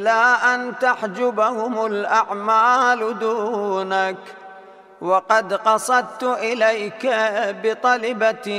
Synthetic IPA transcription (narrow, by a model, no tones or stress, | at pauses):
laːʔant̪aħd͡ʒʊbahʊmʊlʔaʕmaːld̪uːnak | wɑqɑd̪qɑsˤɑd̪̚t̪ʊʔɪlajkabɪt̪ˤɑlɑba